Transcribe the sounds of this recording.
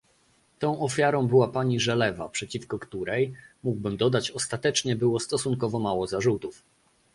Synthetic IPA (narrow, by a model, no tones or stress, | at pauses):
t̪ɔ̃w̃ʔɔfʲjaɾɔ̃w̃bɘwapaɲiʐɛlɛva̰pʂɛt͡ɕifkɔkt̪uɾɛjmuɡbɘmd̪ɔd̪at͡ɕɔst̪at̪ɛt͡ʂɲɛbɘwɔst̪ɔsuŋkɔvɔmawɔzaʐut̪uf